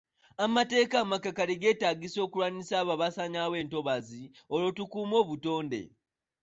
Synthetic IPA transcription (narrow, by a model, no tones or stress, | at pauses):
amate̞ːkaːmakakaliɡe̞ːtaːɡiso̞ːkulwanisaːβaβasaɲawe̞ːnto̞βazi | olo̞tukuːmo̞ːβuto̞ːnde̞̰